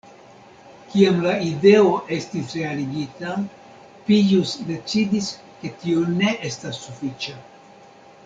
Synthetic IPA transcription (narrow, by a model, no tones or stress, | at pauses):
kiamlaide̞o̞ʔe̞stisɾe̞aliɡita | pijusde̞t͡sidis | ke̞tione̞ʔe̞stasːufit͡ʃa